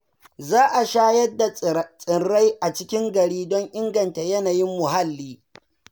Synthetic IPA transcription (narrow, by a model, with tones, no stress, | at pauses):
zaː˦ʔa˨ʃaː˦jɐ˦dːa˨t͡sʼɪ˨rːa˦jʔa˨t͡ʃɪ˦kʲɪ˦ŋɡɐ˨ɽiː˦dɔ˦ŋʔɪ˦ŋɡɐ˨nta˨jɐ˦naː˨jɪ˦mːʊ˨ɦa˦lːiː˦